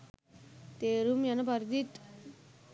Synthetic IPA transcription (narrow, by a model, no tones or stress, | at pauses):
t̪eɾumjɐnɐbɐɾd̪it̪